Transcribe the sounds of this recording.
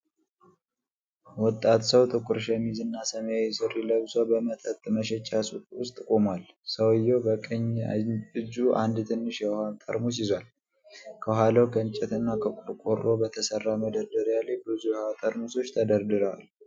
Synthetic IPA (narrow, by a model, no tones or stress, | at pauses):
wɔt̪ʼːat̪səwt̪ʼɨkʼʊɾʃɛmizɨnːasəmjajɛsɨriləβsʷabəmət̪ʼət̪ʼməʃɛt͡ʃʼːasʼukʼwʊst̪ʼɨkʼomal | səwjːowbəkʼəɲ | ɨd͡ʒuʔa̰nd̪t̪ʰɨnːɨʃjɛhant̪ʼə̰ɾmus̬izwal | kʰəɦʷwaləwɡənt͡ʃʼɛt̪ɨnːakʰəkʼʊɾkʼorːo̞bət̪ʰəsərːaməd̪əɾd̪əɾjalebɨzujɛhat̪ʼəɾmuso̞t͡ʃːt̪ʰəd̪əɾd̪ɨɾəwa̰l